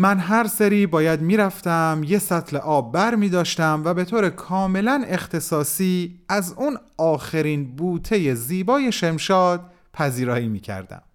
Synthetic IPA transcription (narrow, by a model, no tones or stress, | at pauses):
mænɦæɾseɾiːbɒːjæd̪miːɾæft̪æmje̞sæt̪ʰleʔɒːbːæɾmiːd̪ɒːʃt̪æmvæbe̞t̪ʰoːɾe̞kʰɒːme̞læne̞xt̪ʰe̞sɒːsiːæzunɒːxeɾiːnbuːt̪ʰe̞je̞ziːbɒːje̞ʃe̞mʃɒːd̪̥̚ | pʰæziːɾɒːjiːmiːcʰæ̰ɾd̪æ̰m